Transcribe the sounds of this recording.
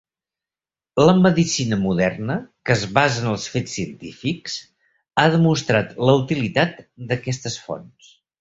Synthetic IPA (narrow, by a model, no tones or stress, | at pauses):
ləməðisinəmuðɛrnəkəːzβazənəlˠsfet͡sːiənt̪ifiks | aðəmust̪ɾat̪ləut̪ilit̪at̪d̪əkɛst̪əsfo̰ns